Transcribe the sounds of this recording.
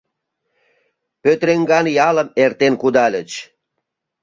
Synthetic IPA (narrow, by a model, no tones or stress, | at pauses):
pøt̪ɾeŋɡɑnjɑləmert̪enkud̪ɑlʲət͡ɕ